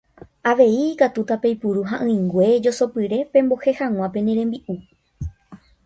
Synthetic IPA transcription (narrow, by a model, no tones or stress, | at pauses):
aʋe̞iːkat̪ut̪ape̞jpuɾuɦaʔɨ̃ĩŋɡʷe̞d͡ʒo̞so̞pɨɾe̞pẽ̞mbo̞he̞hãw̃ãpẽ̞nẽɾẽ̞mbiʔu